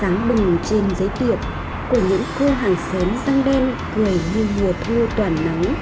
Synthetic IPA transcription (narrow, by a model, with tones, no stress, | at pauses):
aː˨˦ŋɗɨ˨˩ŋt͡ɕe˧nzəː˨˦jɗ̪i˨˩əp̚ | ku˧˩əɲɨ̰˧˥ŋkə˧ɦaː˨˩ŋsəː˨˦mzaː˧ŋɗe˧n | kɨ˨˧˩əjɲɨ˧mu˨˩ət̚mu˧t̪waː˧˩nːa˨˦ŋ